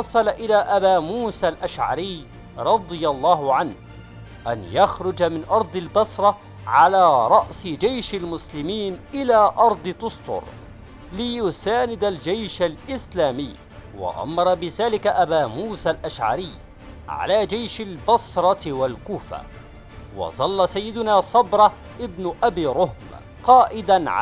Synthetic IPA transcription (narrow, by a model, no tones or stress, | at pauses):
ɑsˤɑlaʔɪlaːʔabaːmuːsaːlʔaʃʕa̰ɾɪj | ɾˤɑd̪ˤɨjɑlˤːɑːhʊʕanh | ʔanjaxɾˤʊd͡ʒamɪnʔɑɾˤd̪ˤɪlbɑsɾˤɑ | ʕalaːɾˤɑʔsɪd͡ʒajʃalmʊslɪmiːnʔɪlaːʔɑɾˤd̪ˤɨt̪ʊst̪ˤʊ̰ɾ | lɪjʊsaːnɪd̪ald͡ʒajʃalʔɪslaːmɪjː | wa̰ʔa̰mːɑɾˤɑbɪðaːlɪkaʔabaːmuːsaːlʔaʃʕa̰ɾɪjː | ʕa̰laːd͡ʒajʃalbɑsɾˤɑwalkuːfa̰ | wɑ̰zˤɑlːasajːɪd̪ʊnaːsˤɑbɾˤɑ | ʔɪbnʊʔabiːɾˤʊhm | qɑːʔɪd̪anʕ